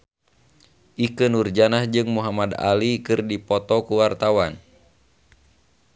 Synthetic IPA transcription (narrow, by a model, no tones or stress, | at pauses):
ʔikənurd͡ʒanahd͡ʒɨŋmuɦamad̪a̰likɨrdipɔt̪ɔkuwart̪awan